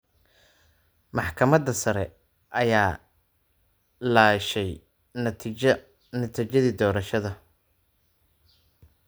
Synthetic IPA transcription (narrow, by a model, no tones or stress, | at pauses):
mɑħkʰɐmɐd̪ɐsɐɾɛ | ʔɐjaː | laːʃɛj | nʰ | nɐt̪ʰit͡ʃɐðiːd̪ɔːɾɐʃɐðɐ